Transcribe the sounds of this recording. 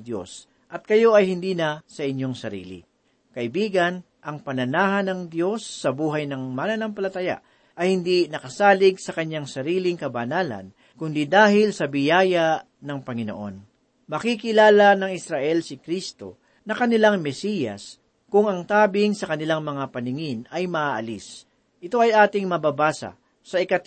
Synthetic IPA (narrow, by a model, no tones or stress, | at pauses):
d̪jo̞̰s | ʔɐt̪̚kɐjo̞ʔɐjhɪnd̪iːnɐsɐʔɪɲjo̞ŋsɐɾḭːlɪ̰ | kɐʔɪbiːɡɐn | ʔɐŋpɐnɐnaːɦɐnɐŋd̪jo̞sːɐbuːɦɐjnɐŋmanɐnampɐlɐt̪ɐja̰ʔ | ʔɐjhɪnd̪inɐkɐsaːlɪɡsɐkɐɲːaŋsɐɾiːlɪŋkɐbɐnaːlɐ̰n | kʊnd̪id̪aːhɪlsɐbɪjaːja | nɐŋpɐŋɪno̰ʔo̞̰n | mɐkikɪlaːlɐnɐŋɪsɾaʔɛlsɪkɾist̪o̞̰ | nɐkɐnɪlaŋmɛsijɐ̰s | kʊŋɐŋt̪aːbɪŋsɐkɐnɪlaŋmɐŋapɐnɪŋɪnɐjmɐʔaːʔɐlis | ʔɪt̪o̞ʔɐjʔaːt̪ɪŋmɐbabaːsɐ̰ | sɐɪkɐt̪